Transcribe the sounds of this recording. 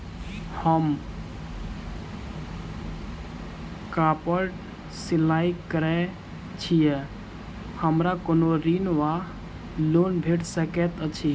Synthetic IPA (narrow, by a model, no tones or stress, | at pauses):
həm | kapəʈ | silaikkːəɾɛ | t͡ʃʰijɛ | həmɾakonoɾinʋa | lonbʱeʈsəkɛt̪ət͡ʃʰi